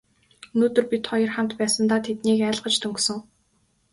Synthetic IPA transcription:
ɵnoːt̪ɵ̆rpit̪χɔjɞ̆rχam̥t̪pæːsə̆nt̪aːt̪ʰet̪niːkæːɮʁə̆t͡ɕt̪ʰɵŋksɵ̆ŋ

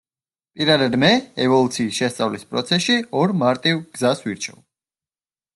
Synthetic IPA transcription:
pʼiɾad̪ad̪mɛɛvɔlˠut̪sʰiːsʃɛst̪sʼavlispʼɾɔ̰t̪sʰɛsʃiɔɾmaɾt̪ʼivɡ̥zasviɾt͡ʃʰɛ̰v

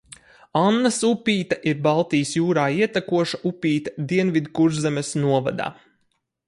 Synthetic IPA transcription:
anːasupʲiːt̪aʔiɾbalˠt̪ijsjuːɾaːiɛt̪akuɔʃaupʲiːt̪ḁd̪iɛnvid̪kuɾzɛmʲɛsnuɔva̰d̪a̰ː

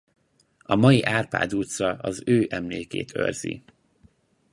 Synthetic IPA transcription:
ɒmɒjiʔaːrpa̰ːd̪uːt̪sɒɒzøːʔɛmleːkḛːt̪ʰø̰rzḭ

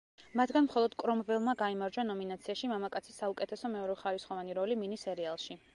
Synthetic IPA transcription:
mat̪ʰɡanmχɔlˠɔd̪̥kʼɾɔmvɛlˠmaɡaimaɾd͡ʒanɔminat̪sʰiaʃimamakʼat̪sʰisːaukʼɛt̪ʰɛsɔmɛɔɾɛχaɾisχɔvaniɾɔliminisɛɾɛalˠʃi

